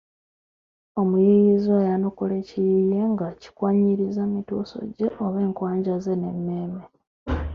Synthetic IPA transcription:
omujijizojanokulecijije̞ŋɡaci̥kwaɲiɾizamituːso̰ɟe̞ʔoβe̞ːŋkwaːɲɟaze̞ne̞mːe̞ːme

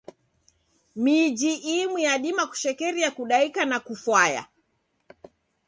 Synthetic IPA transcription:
mid͡ʒiʔimwiaɗimaku̥ʃɛkɛɾiakuɗaikanakufwaja̰

